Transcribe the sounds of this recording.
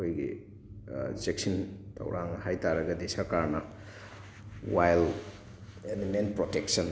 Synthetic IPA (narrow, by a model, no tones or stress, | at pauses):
kʰojɡḭ | sek̚sintʰɐ̰wɾʔaŋhajtaɾɐɡɐdisɐɾkaɾnɐ | wajl | enimenpɾoteksɐn